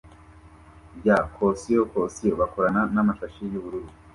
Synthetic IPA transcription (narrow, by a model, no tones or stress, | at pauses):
bjakʰosijokosijoβakoɾananamaʃaʃijuβuɾuɾu